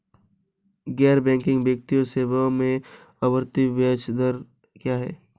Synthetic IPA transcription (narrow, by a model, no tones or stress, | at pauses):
ɡɛːɾbɛ̃ːŋkɪ̃ŋɡbjək̚t̪ijoseːbãmẽ | ɐbəɾt̪ibeːt͡ʃd̪əɾ | kjaːɦɛ̰ː